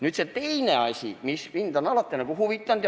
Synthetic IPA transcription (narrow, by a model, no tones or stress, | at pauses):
nyt̪set̪eineɑsʲḭmisʋint̪ɑnɑlɑt̪ːenekuhuʋit̪ːɑnt̪j